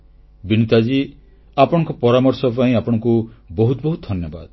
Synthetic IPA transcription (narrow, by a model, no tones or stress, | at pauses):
binit̪ad͡ʒi | apɔɽ̃ɔŋkɔpɔɾamɔɾsɔp̬aĩapɔɽ̃ɔ̃ŋkubɔɦut̪bɔɦut̪̚d̪ʱɔnjɔba̰d̪